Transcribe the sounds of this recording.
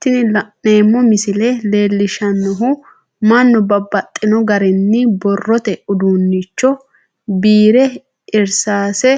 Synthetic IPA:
t̪ːɪnɪneːmːɔmɪsɪlɛle̞ːlːɪʃɐnːɔɦʊ | mɐnːɔbɐbːɐt̪ʼːɪnɔɡɐɾɛnːɪbɔrːɔt̪ɛʊd̪uːnːit͡ʃːɔ | biːɾɛ | ɪɾsaːsɛ

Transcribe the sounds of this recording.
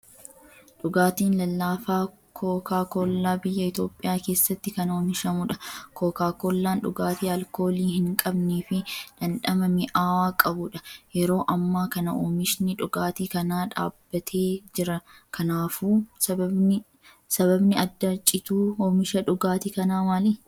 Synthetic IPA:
ᶑʊɡaːt̪iːnlɐlːaːfaː | kʰoːkaːkoːlːaːbɪjːɐɪt̪o̞ːpʼːɪjaːke̞ːsːɐt̪ːɪkɐno̞ːmɪʃɐmʊᶑɐkʰoːkaːkoːlːaːnᶑʊɡaːt̪iːɐlko̞ːliːhɪŋkʼɐbniːfɪᶑɐnᶑɐmɐmɪʔaːwaːkʼɐbʊᶑɐjɛɾo̞ːʔɐmːaːkɐnɐʔoːmɪʃnɪᶑʊɡaːt̪iːkɐnaːᶑa̰ːbːɐt̪ʰe̞ːd͡ʒɪɾɐ | kʰɐnaːfuːsɐbɐbnɪ | sɐβɐbnɪɐd̪ːɐt͡ʃʼːɪt̪uːoːmɪʃɐᶑʊɡaːt̪ɪkɐnaːmaːli

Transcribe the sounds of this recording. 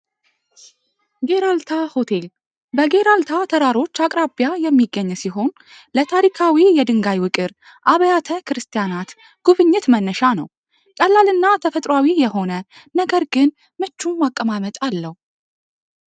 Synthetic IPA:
ɡe̞ɾalt̪ʰaho̞t̪ʰe̞l | bəɡe̞ɾalt̪ʰat̪ʰəɾaɾo̞t͡ʃːakʼɾabjajɛmːiɡːəɲːsiɦo̞n | lət̪ʰaɾikʰawijɛd̪ɨŋɡajwɨkʼɨɾ | ʔaβəjat̪ʰəkɨɾɨst̪ʰijanat̪ | ɡ̥uβɨɲːɪt̪mənːəʃanə̰w | kʼəlːalɨnːat̪ʰəfət̪ʼɾwawijɛho̞nənəɡəɾɡɨn | mɨt͡ʃːumakʼːəmamət̪ʼalːəhu

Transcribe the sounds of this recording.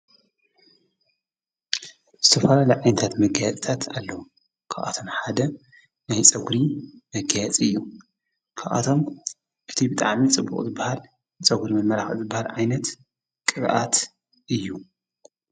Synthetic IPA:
z̥ɨt̪ʰɐfɐlalɐʕajnɐt̪ʰat̪mɐɡajat͡sʼt̪ʰat̪ʰalːɐwu | kʰaʔa̰t̪ʰo̞mħad̪ɐ | najt͡sʼɐɡɾimɐɡajat͡sʼiɨjːu | kʰaʔa̰t̪ʰo̞m | ʔɨt̪ʰibɨt̪ʼa̰ʕmit͡sʼɨbːṵkʼzɨbːahal | t͡sʼɐɡɾimɐnmɐɾaxɨzɨbːahalʕajnɐt̪ | kʼɨɾʔat̪ | ʔɨjːu

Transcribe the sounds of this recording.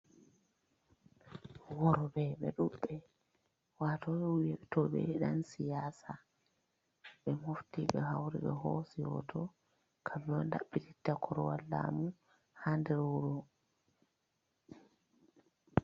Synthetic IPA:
wɔɾɔbɛɓɛ̰ɗuɓːɛ | waːtɔɓɛwijɛtɔɓɛ̰ɗansijaːsa | ɓɛmuftiɓɛɦawɾḭɓɛhosijɔ̰tʰɔ | kʰamnɔnda̰ɓːititːakʰɔɾɔwalːa̰mu | handɛɾuɾɔ

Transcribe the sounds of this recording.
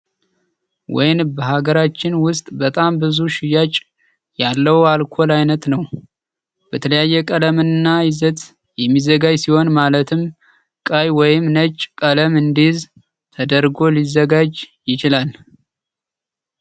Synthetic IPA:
wɔ̰jnbəɦaɡəɾat͡ʃːɪnwʊst̪ʼbət̪ʼambɨzuʃɪjat͡ʃʼ | jalːəwalkʰo̞lajnət̪nəw | b̥ət̪ʰələjajːɛkʼələmɨnnːajɪzət̪ | jɛmːizəɡad͡ʒsiho̞nmalət̪ʰɨm | kʼajwɔjɪmnət͡ʃʼkʼələmɨnd̪iz | t̪ʰəd̪əɾɡo̞lizːəɡad͡ʒjɪt͡ʃɪlal

